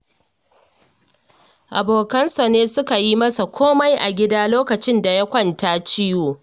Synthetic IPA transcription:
ʔa˨boː˨kɐ˦nsɐ˨neː˦sʊ˦ka˨ji˦mɐ˦sa˨kʷʰoː˦ma˦jʔa˨ɡʲɪ˦daː˦loː˦kɐ˨t͡ʃɪ˦nda˨ja˦kʷɐ˦ntaː˦t͡ʃi˦joː˨

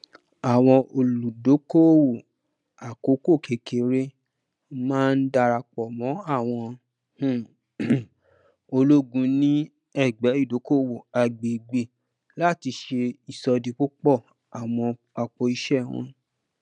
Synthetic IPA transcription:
a˨w̃ɔ̃˧o˧lu˨do˨˦ko˦wo˨ | a˨ko˨˦ko˦˨kʰe˧ke˨ɾe˦ | mãː˦˧n̩˦da˧ɾa˧k͡pɔ˨mɔ̃˨˦a˦˨w̃ɔ̃˧ | hũ˦˨ | o˧lo˦ɡũ˧nĩ˦ | ɛ˦˨ɡ͡bɛ˨˦i˦˨do˨˦ko˦wo˨a˨ɡ͡be˨ɡ͡be˨ | la˦˨ti˧ʃe˧i˨sɔ˧di˧k͡po˦k͡pɔ˦˨ | a˨w̃ɔ̃˧ | a˧k͡pɔ˧i˧ʃɛ˦˨wɔ̰̃˧

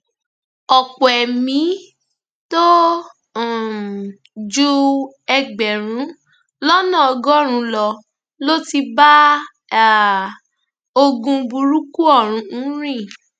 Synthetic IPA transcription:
ɔ˨k͡pɔ˨ɛ˨mĩ˨˦ | to˦˨ | d͡ʒu˦ | ɛ˧ɡ͡bɛ˨ɾ̃ũ˨˦ | lɔ˦nã˦˨ɔ˧ɡɔ˦ɾ̃ũ˧lɔ˧ | lo˦ti˧ba˦˨ | o˧ɡũ˧bu˧ɾu˦ku˦ɔ˦˨ɾ̃ũ˨˧˦ɾ̃ĩ˦˨

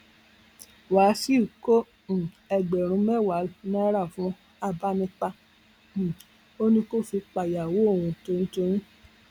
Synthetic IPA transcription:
wa˨˦si˦u˨kõ˦˨ | ɛ˧ɡ͡bɛ˨ɾ̃ũ˨˧˦mɛ˦˨wa˨˦nã˦ɾa˦˨fũ˨˦ | a˧ba˧nĩ˧k͡pa˧˨ | o˦nĩ˧ko˦fi˧k͡pa˨ja˨wo˨˦o˦˨wũ˧to˧nĩ˦to˧ɾ̃ĩ˦

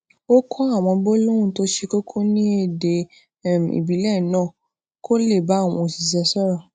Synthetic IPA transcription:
o˦kʰɔ̃˦a˦˨w̃ɔ̃˧bo˦lo˦ɾ̃ũ˦˨to˨˦ʃe˧ko˦kʰo˦nĩ˦e˦˨de˧˦˨ | m˨ḭ˨bi˨˦lɛ˦˨nãː˦˨ | kʰo˦le˦˨ba˨˦˨w̃ɔ̃˧˨si˨sɛ˧sɔ˦ɾɔ˦˨

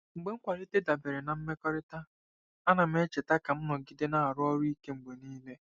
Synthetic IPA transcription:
ŋ͡m̩˨ɡ͡be˨˦ŋ̩˦kʷa˨ɾɪ˦te˦da˨be˨ɾe˨na˨m̩˦me˦kɔ˦ɾɪ˦ta˦ | a˦na˨m̩˦e˦t͡ʃe˨ta˦ka˨m̩˦nɔ˨ɡɪ˦de˦na˦a˨ɾʊ˦ɔ˦ɾi˦ke˦ŋ͡m̩˨ɡ͡be˨niː˦le˦

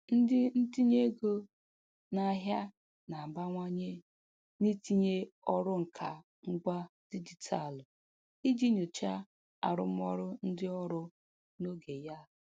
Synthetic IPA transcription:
n̩˦dɪ˦n̩˦ti˦ɲe˦ɡo˦ | na˦ɦja˦ | na˨ba˦ŋʷa˦ɲe˦ | ni˦ti˦ɲe˦ɔ˦ɾʊ˦ŋ̩˨kʰa˨ | ŋ͡m̩˦ɡ͡ba˦d̥i˦d͡ʒi˨tʰa˨lʊ˨ | i˦d͡ʒi˦ɲo˨t͡ʃa˦ | a̰˨ɾʊ̰˨˦mɔ˦ɾʊ˦n̩˦dɪ˦ɔ˦ɾʊ˦ | no˦ɡe˨ja˦˨

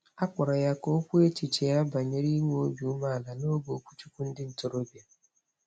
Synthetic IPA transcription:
a˦k͡pa˨ɾa˨ja˦ko˦kʷu˦e˦t͡ʃi˨t͡ʃe˨ja˦ba˨ɲe˦ɾi˦ŋʷ˦o˦bu˨u˦ma˦a˨la˨no˦ɡo˨kʷu̥˦t͡ʃu˦kʷu˦n̩˦dɪ˦n̩˨to˨ɾo˦bi˨a˨

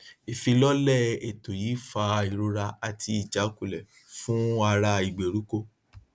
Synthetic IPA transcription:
i˨fi˧lɔ˦lɛ˦˨e˨to˨jiː˨˦fa˧i˨ɾo˧ɾa˧a˨tʰi˧i˨d͡ʒa˨˦ku˦˨lɛ˨ | fũ˦a˧ɾa˧i˨ɡ͡be˨ɾu˨˦ko˦˧

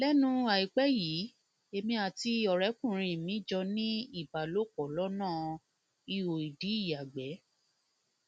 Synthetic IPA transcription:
lɛ˦nũ˦a˨i˨k͡pɛ˦jiː˨˦ | e˧mĩ˧a˨ti˧ɔ˨ɾɛ˨˦kũ˦˨ɾ̃ĩ˧mĩ˨˦d͡ʒɔ˧nĩ˦i˦˨ba˨lo˦kɔ˨lɔ˦nãː˦˨ | i˧wo˨i˨di˨˦i˦˨ja˨ɡ͡bɛ˨˦

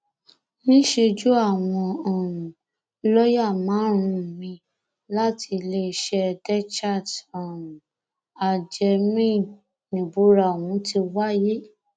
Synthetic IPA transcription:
nĩ˦ʃe˧d͡ʒu˦a˦˨w̃ɔ̃˧ɔ˨ɾũ˨ | lɔ˦ja˦˨mãː˨˦ɾ̃ũ˧˨mĩ˧ | la˦ti˧le˧˦˧ʃɛ˧dɛ˦t͡ʃa˦˨dɔ̃˨ũ˨ | a˨d͡ʒɛ˧mĩ˦˨ | nĩ˨bu˨˦ɾa˨wũ˨˦ti˧wa˦je˦

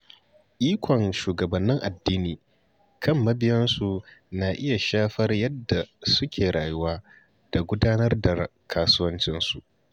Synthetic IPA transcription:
ʔiː˦kʷɔ˨ŋʃuː˨ɡɐ˨bɐ˨nːɪ˦ŋʔa˨dːiː˦niː˨ | kʰɐ˦˨mːɐ˦bɪ˦jɐ˦nsu˨na˨ʔɪ˦ja˨ʃaː˦ɸɐ˦rjɐ˦dːa˨sʊ˦kʲʰeː˨ɽaː˨jʊ˦waː˦ | d̥a˨ɡʷʊ˦daː˦nɐ˦rda˨kʰaː˦sʊ˦wɐ˦nt͡ʃɪ˦nsu˨ʔ

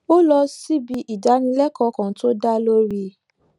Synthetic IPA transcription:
o˦lɔ˧si˦bi˧ʔi˨da˨˦nĩ˧lɛ˦kʰɔ˧˦kã˨˦to˦da˦lo˦ɾi˧

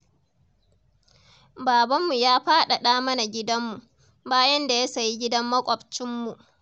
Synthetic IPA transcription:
baː˨bɐ˦mːu˨jaː˦ɸaː˦ɗa˨ɗaː˦mɐ˦na˨ɡʲɪ˦dɐ˦mːu˨ʔ | baː˦jɐ˦nda˨ja˦sa˨ji˦ɡʲɪ˦dɐ˦mːɐ˦kʷʼɔ˨bt͡ʃɪ˦mːu˨ʔ

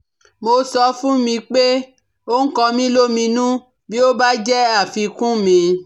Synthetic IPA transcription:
mo˧sɔ˧fũ˦mĩ˧k͡pe˦ | o˦ŋ̩˦kɔ̃˧mĩ˦lo˦mĩ˧nũ˦ | bi˦o˦ba˦d͡ʒɛ˦a˦˨fi˧kũ˦mĩ˧

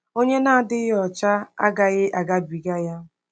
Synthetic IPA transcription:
o˦ɲe˦na˦˨dɪ˦ɣɪ˦ɔ˨t͡ʃa˦a̰˦ɡa˨ɣɪ˦ʔa˨ɡa˦bi˨ɡa˦ja˦

